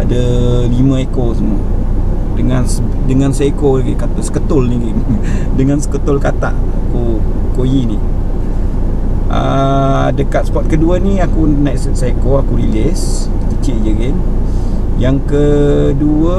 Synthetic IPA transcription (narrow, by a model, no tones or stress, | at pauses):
adəlimə̃ekosəmuə | dəŋansə | dəŋansaikoɡikat̪sə̥kət̪ʊlniɡindəŋansə̥kət̪ʊlkat̪a̰ʔakukojini | ə̰ | dəkat̪̚səpɔt̪̚kəduəniakunajssakoakuɾilɪs | kət͡ʃɪʔjəɡɪn | jaŋkəduə